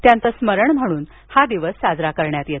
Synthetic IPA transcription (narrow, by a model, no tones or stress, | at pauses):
t̪jant͡səsməɾəɳm̤əɽ̃uːn | had̪iʋəsːad͡zɾakəɾɳjat̪jet̪